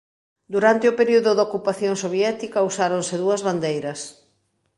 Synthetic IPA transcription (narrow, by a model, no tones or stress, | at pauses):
d̪uɾant̪eʊpeɾiuðʊðokupaθjoŋsoβjɛt̪ikɐusaɾonsɪðuɐzβand̪ejɾɐs